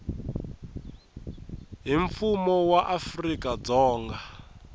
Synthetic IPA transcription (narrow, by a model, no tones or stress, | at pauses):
ɦiɱfumɔwaʔafrikʼad͡zɔːŋɡa